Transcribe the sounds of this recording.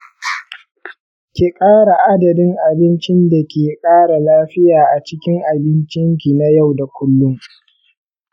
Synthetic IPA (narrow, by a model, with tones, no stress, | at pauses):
kʲeː˨kʼaː˦ɽa˨ʔa˦dɐ˨dɪ˦ŋʔa˨bɪ˦nt͡ʃɪ˦nda˨kʲeː˨kʼaː˦ɽa˨laː˦ɸɪ˦jaː˨ʔa˨t͡ʃɪ˦kʲɪ˦ŋʔa˨bɪ˦nt͡ʃɪ˦ŋkʲi˨na˦ja˦˨wda˨kʷʊ˦lːʊ˦ŋ